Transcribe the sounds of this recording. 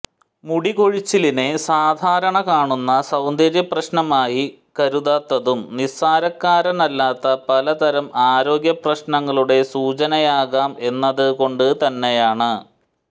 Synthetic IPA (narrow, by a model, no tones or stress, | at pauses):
muɽiko̞ɻit͡ɕːiline̞saːd̪ʱaːɾɐɳɐkaːɳunːɐsɐwnd̪ʱɐɾjɐprɐɕnɐmaːji | kɐɾuðaːt̪ːɐðumnisaːɾɐkːaːɾɐnɐlːaːt̪ːɐpɐlɐt̪ɐɾɐmʔaːɾo̞ːɡjɐprɐɕnɐŋːɐɭuɽe̞suːt͡ɕɐnɐjaːɣaːme̞nːɐðɨko̞ɳɖɨt̪ɐnːe̞jaːɳɨ